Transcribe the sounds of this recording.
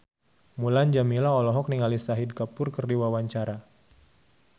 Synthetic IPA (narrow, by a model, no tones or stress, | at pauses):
muland͡ʒamilaɔlɔɦɔk̚niŋalisaɦid̚kapʊrkərdiwawaɲt͡ʃaɾa